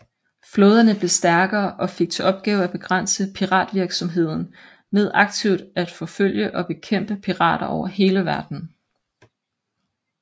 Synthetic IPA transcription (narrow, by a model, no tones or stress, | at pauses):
floːð̞ˠɐnəb̥le̝sd̥æɐɡ̥ɐːʔɒ̽fe̝ɡ̥̚t͡sʰe̝ʔɒ̽b̥̚ɡ̥ɛːʊæb̥e̝ɡ̥ʁɑn̰səpʰiʁɑ̰̈ːd̥ʋiɐɡ̥sɒ̽mɦe̝ð̞̰ˠn̩ | með̞ˠʔɑ̈ɡ̥t͡sʰiʊd̥æd̥fɒ̽føl̰jəʔɒ̽b̥e̝kʰem̰b̥əpʰiʁɑ̰̈ːɾ̥ɐʔɒʊɐɦe̝ːləʋæɐd̥n̩